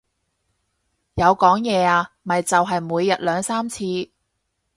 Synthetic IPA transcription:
jɐ˨˧wkɔː˨˥ŋjɛː˨˧aː˧ | mɐ˨jt͡sɐ˨wɦɐ˨jmuː˨˧jːɐ˨t̚lœː˨˧ŋsaː˥mt͡sʰiː˧

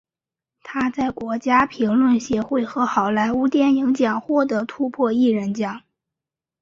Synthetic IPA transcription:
t̪ʰa˥t͡sa˥˩ɪkwɔ˧˥t͡ɕja˥pʰi˧˥ŋlwə˥˩nɕjɛ˧˥xwe˥˩ɪxɤ˧˥xɑ˨˩ʊla˧˥ɪu˧˥t̪jɛ˥˩nji˧˥ŋt͡ɕjɑ˨˩ŋxwɔ˥˩t̪ɤ˧˥t̪ʰu˥pʰwɔ˥˧i˥˩ɻə˧˥nt͡ɕjɑ˨˩˦ŋ

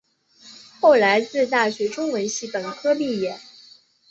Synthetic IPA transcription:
xo˥˩ʊla˧˥ɪt͡sɹ̩˥˧t̪a˥˩ɕɥɛ˧˥ʈ͡ʂʊ˥ŋwə˧˥nɕi˧˥pə˨˩nkʰɤ˥li˥˩jɛ˨˩˦n

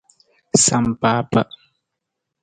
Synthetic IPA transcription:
sa˨mpaː˦pə̰˦˨ʔ

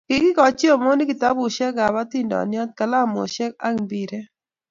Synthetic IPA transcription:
ki˨ɡɪ˦kɔ˨t͡ʃi˦o˨mo˦ni˦kɪ˨t̪a˦bu˨ʃɛ˦ɡa˨ba˦t̪i˦ndɔ̰˨njɔ˦t̪̚ka˨la˦mo̰˨ʃɛ˦k̚a˦ŋbi˨ɾe˦

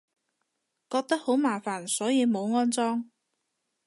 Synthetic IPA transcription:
kɔː˧k̚t̪ɐ˥k̚ho˨˥wmaː˨˩faː˨˩nsɔː˨˥jiː˨˧mo˨˧wŋɔː˥nt͡sɔː˥ŋ

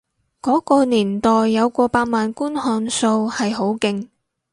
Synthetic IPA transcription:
kɔː˨˥kɔː˧niː˨˩nt̪ɔː˨jːɐ˨˧wkʷɔː˧paː˧t̚maː˨nkuː˥nhɔː˧nso˧whɐ˨jɦo˨˥wkɪ˧ŋ

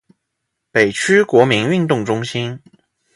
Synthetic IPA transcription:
pe˨˩ɪt͡ɕʰy˥kwɔ˧˥mi˧˥ŋy˥˧nt̪ʊ˥˩ŋʈ͡ʂʊ˥ŋɕi˥n

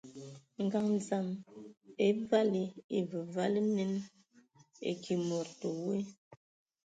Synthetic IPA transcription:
ŋ̩˨ɡa˨ŋn˨za˨m | e˦va˦li˨e˨və˨va˦li˦ne˦n | ḛ˨kʰi˨mɔ˨ɾto˨we˦

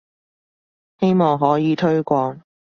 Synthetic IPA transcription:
he˥jmɔː˨˩ŋɦɔː˨˥jiː˨˧t̪ʰɵ˥ɥkʷɔː˧ŋ

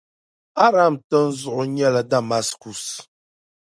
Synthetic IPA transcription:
a˦ɾa˦˨mtə˦n̩˦zʊ˦ʔʊ˨ɲɛ˦la˨da˦˨ma˦sku˨s

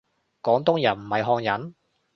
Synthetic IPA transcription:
kɔː˨˥ŋt̪ʊ˥ŋjɐ˨˩nm̩˨˩hɐ˨jɦɔː˧ŋjɐ˨˥n

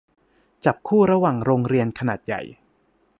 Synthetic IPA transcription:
t͡ɕa˨˩p̚kʰuː˥˩ɾa˧waː˨˩ŋɾoː˧ŋɾi˧ənkʰa˧naː˨˩t̪̚ja̰˨˩j

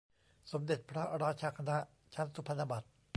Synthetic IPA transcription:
so˩˦mde˨˩t̪̚pʰɾa˦˥ɾaː˦˥t͡ɕʰa˧kʰa˧na˦˥ʔ | t͡ɕʰa˦˥nsu˦pʰa˧na˧ba˨˩t̪̚

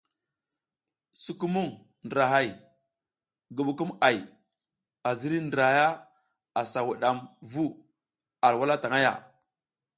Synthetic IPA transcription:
su˦ku˦mu˦˨ŋ | ndɾa˨ɦa˦˨j | ɡu˨ɓu˨ku˦ma˨j | a˨zi˦ɾi˦ndɾa˨˦ja˦ | a˨sa˨wu˨ɗa˨mvu˦ | a˨ɾwa˦la˦ta˨ŋa˦ja̰˨

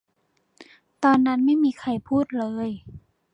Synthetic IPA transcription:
t̪ɔː˧nːa˦˥nma˥˩jmiː˧kʰa˧˩jpʰuː˥˩t̪̚lɤː˧˦j

